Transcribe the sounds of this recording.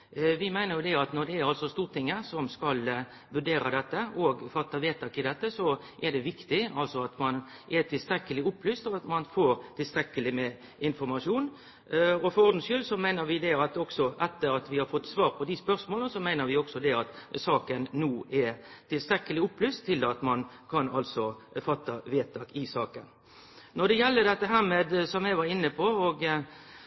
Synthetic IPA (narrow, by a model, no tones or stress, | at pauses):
ʋɪmæɪnəɾjʊd̪ɛɑt̪nɔɾd̪ɛæɾɑlsɔst̪uːɾt̪ʰɪŋːəsɔmskɑl | ʋʉɾɖeːɾɑd̪ɛt̪ːəʔɔɡfɑt̪ːɑʋeːt̪ʰːɑkɪd̪ɛt̪ːəsɔ | ʔɛɖ̪ɛʋɪkt̪ɪɑlsɔɑt̪mɑnʔɛt̪ʰɪlst̪ɾɛkːəlɪʊpːlyːst̪ɔɑt̪mɑnfoːɾt̪ʰɪlst̪ɾɛkːəlɪmɛ | ɪnfɔɾmɑʂuːn | ɔfɔɾɔɾd̪n̩skʏlːsɔmæɪnəɾʋɪd̪ɛɑt̪ɔksɔʔɛt̪ːəɾɑt̪ʋɪhɑɾfɔt̪ːsʋɑːɾpʰɔd̪ɪspœʁsmoːlənəsɔmæɪnəɾʋɪɔksɔd̪ɛɑt̪sɑːkənːuːʔɛt̪ʰɪlst̪ɾɛkːəlɪʊpːlyːst̪ʰːɪlɑt̪mɑn | kʰɑnɑlsɔfɑt̪ːɑʋeːt̪ʰɑːkɪsɑːkə̰n | nɔd̪ɛjɛlːəd̪ɛt̪ːəɦæːʁmeːd̪sɔmjæɪʋɑɾɪnːəpʰɔɔɡ